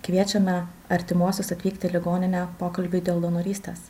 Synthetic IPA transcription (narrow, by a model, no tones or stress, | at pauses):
kʋʲiɛt͡ʃʲɛnɐɐɾʲt̪ʲɪmuɔsʲʊsɐt̪ʲʋʲiːkt̪ʲɪlʲɪɡoːnʲɪnʲæːpoːkɐlʲbʲid̪ʲeːlˠd̪onɔɾʲiːsʲt̪ʲeːs